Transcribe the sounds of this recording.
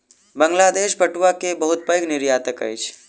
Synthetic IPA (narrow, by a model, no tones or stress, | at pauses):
bəŋɡlaːd̪eːʃpəʈʋakebəɦʊt̪̚pəjknɪɾjaːt̪əkə̰jt͡ʃʰ